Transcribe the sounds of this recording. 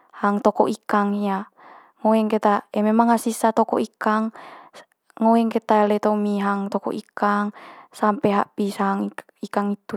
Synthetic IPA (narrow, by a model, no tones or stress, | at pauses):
haŋt̪ɔkoʔikaŋia | ŋoɛŋkɛt̪aememaŋasisat̪ɔkɔ̰ʔikaŋ | ŋoɛŋkɛt̪alɛt̪omiɦaŋt̪ɔko̰ʔikaŋsampeɦa̰ʔpisaŋ | ikaŋit̪u